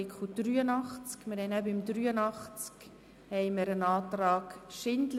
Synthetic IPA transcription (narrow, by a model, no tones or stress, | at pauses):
ɪkχud̥ryːənɑχt͡skmɪɾhɛɪnæbɪmdɾyːənɑχt͡sk | hɛɪməɾənɑːt̪rɑːɡ̥ʃɪndl